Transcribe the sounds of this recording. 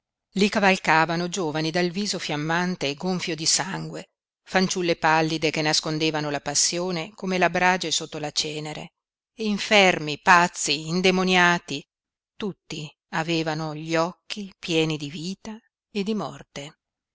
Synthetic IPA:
likavalkaːvanod͡ʒoːvanid̪alviːzofjamːant̪eːɡoɱfjod̪isaŋɡwe | fant͡ʃulːepalːid̪ekenːaskond̪eːvanolapasːjoːnekomelabɾaːd͡ʒesot̪ːolat͡ʃɛːneɾḛː | iɱfɛrmipat̪sːiːnd̪emonjaːt̪i | t̪ut̪ːi | aveːvanoʎɔkʰːipjɛːnid̪iviːt̪a | ed̪imɔrt̪e

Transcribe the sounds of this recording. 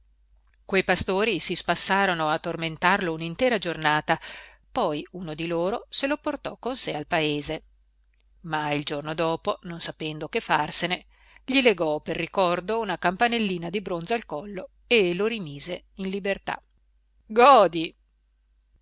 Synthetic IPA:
kwejpast̪oːɾisispasːaːɾonoat̪ːorment̪arlounint̪ɛːɾad͡ʒornaːt̪a | pɔjunod̪iloːɾoseloport̪ɔkːonsealpaeːze | maild͡ʒornod̪ɔːpononsapɛnd̪okefːarsene | ʎileɡɔperːikɔrd̪ounakampanelːiːnad̪ibɾonzoalkɔlːo | eloɾimiːze | inlibert̪a̰ | ɡɔːd̪i

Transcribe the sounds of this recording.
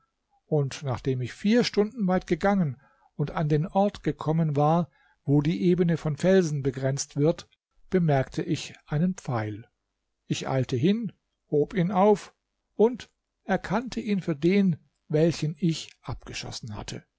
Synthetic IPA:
ʔʊntnaːχd̥eːmɪçfiːɐʃtʊndn̩vaɪtɡ̥əɡaŋən | ʊntandeːnʔɔɐtɡ̥əkʰɔmənvaːɐ | voːdiːʔeːbənəfɔnfɛlzn̩bəɡʁɛnt͡stv̥ɪɐt | b̥əmɛɐktʰəʔɪçʔaɪnənp͡faɪl | ʔɪçʔa̰ɪltəɦɪn | hoːpiːnaʊf | ʔʊnt | ʔɛɐkʰantʰəʔiːnfyːɐdeːn | vɛlçən̩ɪçʔap̚ɡ̥əʃɔ̰sn̩ha̰tʰə̰

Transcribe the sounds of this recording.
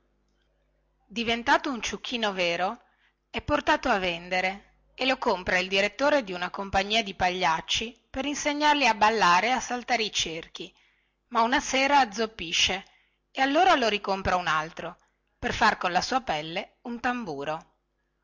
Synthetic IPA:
d̪ivent̪aːt̪ount͡ʃuk̟ʰːiːnoveːɾo | ɛpːort̪aːt̪oavːend̪eɾe | elokompɾaild̪iɾet̪ːoːɾed̪iunakompaɲːiːad̪ipaʎːat͡ʃːipeɾinseɲːarliabalːaːɾeasalt̪aːɾeit͡ʃerk̟i | maunaseːɾaːd̪zːopːiʃːe | ealːoːɾaloɾikompɾaunalt̪ɾo | perfarkonlasuːapɛlːeunt̪ambuːɾo

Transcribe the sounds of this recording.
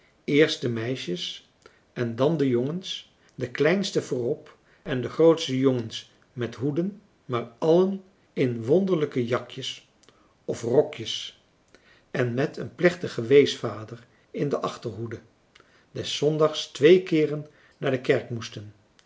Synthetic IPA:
ɪːɹst̚dəmɛjʃəs | ɛndɑndəjoŋəns | dəklɛjnstəvʊːrɔp | ɛndəχrowtstəjoŋəns | mɛtɦudən | maːɹɑlən | ɪnʋɔndəɹləkəjɑkjəs | ɔfrɔkjəs | ɛnmɛtʰənplɛχtəχəʋejsfaːdəɹ | ɪndəʔɑχtəɹɦudə | dɛsːɔndɑχstʋejkɪːrənː | aːɹdəkɛɹkmustən

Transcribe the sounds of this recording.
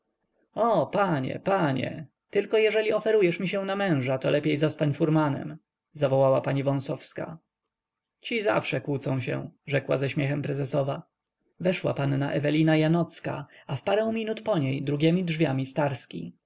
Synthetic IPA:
ɔpaɲɛ̰paɲɛ̰ | t̪ɘlkɔjɛʐɛlʲiɔfɛɾujɛʂmʲiɕɛ̃w̃namɛ̃w̃ʐat̪ɔlʔɛpʲjejzɔst̪aɲfuɾmanɛ̰m | zavɔwawapaɲivɔ̃sɔfska̰ | t͡ɕiza̰fʂɛkwut̪sɔ̃w̃ɕɛ̰ʐɛkwa̰zɛɕmʲjɛxɛmpɾɛzɛsɔva | vɛʂwa̰panːaʔɛvɛlʲinajanɔt̪ska̰afpaɾɛ̃w̃mʲinut̪pɔɲejd̪ɾuɡʲjɛmʲidʐvʲjamʲist̪aɾskʲḭ

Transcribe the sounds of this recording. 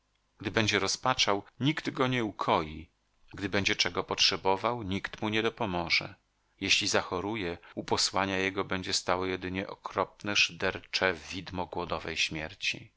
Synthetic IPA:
ɡ̥d̪ɘbɛɲd͡ʑɛɾɔspat͡ʂawɲiɡd̪ɡɔɲɛukʰɔji | ɡd̪ɘbɛɲd͡ʑɛt͡ʂɛɡɔpɔtʂɛbɔvawɲikt̪muɲɛd̪ɔpɔmɔʐɛ̰ | jeɕlʲizaxɔɾujɛupɔswaɲajɛɡɔbɛɲd͡ʑɛst̪awɔjɛd̪ɘɲɛʔɔkɾɔp̚nɛʂd̪ɛɾt͡ʂɛvʲid̪mɔɡwɔd̪ɔvɛjɕmʲjɛɾt͡ɕḭ

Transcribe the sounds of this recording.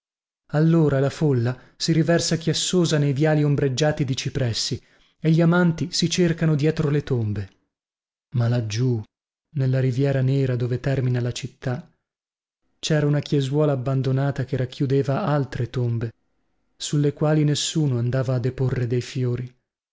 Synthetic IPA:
alːoːɾalafolːa | siɾivɛrsakjasːoːzanejvjaːliombɾed͡ʒːaːt̪id̪it͡ʃipɾɛsːi | eʎːiamant̪isit͡ʃerkanod̪jɛːt̪ɾolet̪ombe | malad͡ʒːu | nelːaɾivjɛːɾanɛːɾad̪oːvet̪ɛrminalat͡ʃit̪ːa | t͡ʃɛːɾaunakjezwɔːlaːbːand̪onaːt̪akeɾakʰːjud̪eːvaalt̪ɾet̪ombe | sulːekwaːlinesːuːnoand̪aːvaːd̪ːeporːed̪ejfjoːɾi

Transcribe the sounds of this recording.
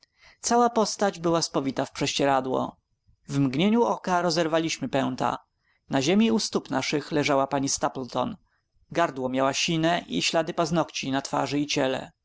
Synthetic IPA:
t̪sawapɔst̪ad͡ʑbɘwaspɔvʲit̪afpʂɛɕt͡ɕɛɾad̪wɔ̰ | vmɡɲeɲuɔkaɾɔzɛɾvalʲiɕmɘpɛw̃t̪a̰ | naʑemʲiust̪upnaʂɘxlɛʐawapaɲist̪aplt̪ɔ̰n | ɡaɾd̪wɔmʲjawaɕinɛʔḭɕlad̪ɘpaznɔkt͡ɕinat̪fa̰ʐɘit͡ɕɛlɛ̰

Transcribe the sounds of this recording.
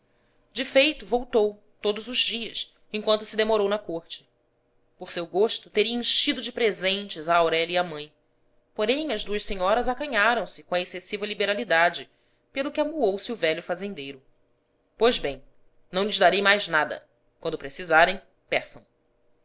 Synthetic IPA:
d͡ʒɪfejt̪ʊvowt̪ow | t̪od̪ʊzʊzd͡ʒiɐs | ẽkwɐ̃nt̪ʊ̥sɪd̪emoɾownɐkoɾt͡ʃɪ̥ | poɾsewɡoʃt̪ʊt̪eɾiɐ̃ẽʃid̪ʊd͡ʒɪpɾezẽnt͡ʃɪzaːwɾɛlɐiɐmɐ̃j̃ | poɾẽj̃ɐzd̪uɐʃseɲɔɾɐzakɐ̃ɲaɾɐ̃w̃sɪkõɐesesivɐlibeɾalid̪ad͡ʒɪ | pelˠʊkɪamuowsɪuvɛʎʊfazẽnd̪ejɾʊ | pojzbẽj̃ | nɐ̃w̃ʎʲɪzd̪aɾejmajznad̪ɐ̰ | kwɐ̃nd̪ʊpɾesizaɾẽj̃ | pɛsɐ̃w̃

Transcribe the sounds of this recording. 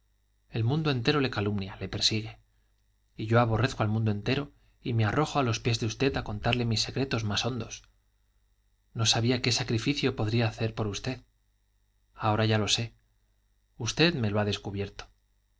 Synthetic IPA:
e̞lmũnd̪oe̞nt̪e̞ɾo̞le̞kalumnjale̞pe̞ɾsiɣ̞e̞ | iʝo̞aβ̞o̞reθkoalmũnd̪oe̞nt̪eɾo̞ | ime̞aro̞xoalo̞spje̞zðeust̪e̞t̪ako̞nt̪aɾle̞misːe̞kɾe̞t̪o̞zmaso̞nd̪o̞s | no̞saβ̞iake̞sakɾifiθjo̞po̞ðɾiaːθe̞ɾpo̞ɾust̪e̞ð | ao̞ɾaʝalo̞se̞ | ust̪e̞ðme̞lo̞aðe̞skuβje̞ɾt̪o̥

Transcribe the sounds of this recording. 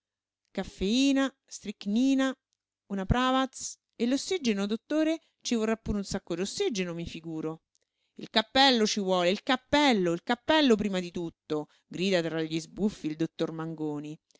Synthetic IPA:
kafːeiːna | st̪ɾikniːna | unapɾaːvat̪s | elːosːid͡ʒenod̪ot̪ːoːɾe | t͡ʃivorːapːuːɾeunsakːod̪osːid͡ʒenomifiɡuːɾo | ilkapːɛlːot͡ʃivwɔːleilkapːɛlːoilkapːɛlːop̬ɾiːmad̪it̪ut̪ːo | ɡɾiːd̪at̪ɾaʎːizbufːild̪ot̪ːormaŋɡoːni

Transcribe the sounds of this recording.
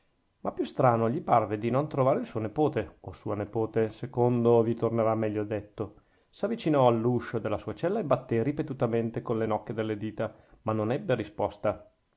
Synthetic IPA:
mapːjust̪ɾaːnoʎiparved̪inont̪ɾovaːɾeilsuːonepoːt̪eosuːanepoːt̪esekond̪ovit̪orneɾamːɛʎːod̪et̪ːo | savːit͡ʃinɔalːuʃod̪elːasuːat͡ʃɛlːaebat̪ːeripet̪ut̪ament̪ekonlenɔkːed̪elːed̪iːt̪a | manonɛbːeɾispɔst̪a

